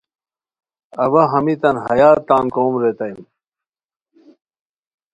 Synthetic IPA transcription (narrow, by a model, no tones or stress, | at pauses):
ɐbɐɦɐmit̪ɐnɦɐjaːɾt̪aːnkoːmɾet̪ɐjm